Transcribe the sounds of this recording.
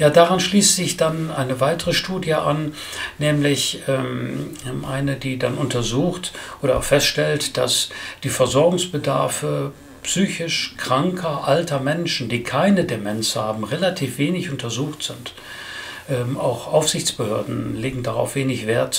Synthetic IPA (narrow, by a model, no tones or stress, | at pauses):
jaːdaːʁanʃliːstz̥ɪçd̥anʔaɪnəvaɪtəʁəʃtuːdjəʔa̰n | nɛːmlɪçʔɛːm | ʔaɪnədiːdanʔʊntɐzuːxtʔoːɾɐaʊxfɛstʃtɛltd̥asd̥iːfɛɐzɔɐɡʊŋsb̥ədaɐfə | psyːçɪʃkʁ̥aŋkʰɐʔaltʰɐmɛnʃn̩diːkʰaɪnədemɛnshaːbm̩ʁelatʰiːfv̥eːnɪçʔʊntʰɐzuːxtz̥ɪnt | ʔɛːmʔaʊxʔaʊfz̥ɪçt͡sb̥əhøːɐdn̩leːɡŋ̩daʁa̰ʊfv̥eːnɪçv̥eːɐt